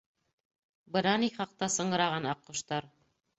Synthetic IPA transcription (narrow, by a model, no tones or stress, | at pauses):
bɤ̆nɑniχɑq̚t̪ɑsɤ̆ɴɤ̆ɾɑʁɑnɑqːŭʃt̪ɑɾ